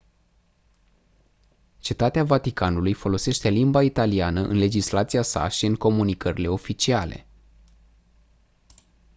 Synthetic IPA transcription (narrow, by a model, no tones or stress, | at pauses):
t͡ʃet̪at̪eavat̪ikanulujfo̞lo̞se̞ʃt̪e̞limbait̪alianəʔɨ̰nle̞d͡ʒislat̪sijasa̰ʃiɨŋko̞munikəɾile̞o̞fit͡ʃiale̞̰